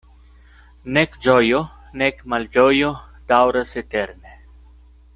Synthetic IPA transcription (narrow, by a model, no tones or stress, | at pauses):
nekd͡ʒojonekmald͡ʒojo | d̪̥awɾaset̪eɾne